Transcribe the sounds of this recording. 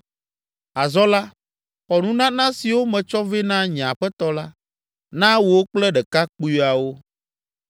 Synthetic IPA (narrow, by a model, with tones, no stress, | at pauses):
a˨zɔ˦la˦ | xɔ˨nũ˦nã˦nã˦si˨wo˦mɛ̃˨t͡ʃɔ˦ve˦nã˦ɲ̃˨a˨ɸɛ˦t̪ɔ˦la˦ | nã˦wo˨wo˦k͡plɛ˦ɖɛ˨ka˦k͡pu˦ja˨wo˦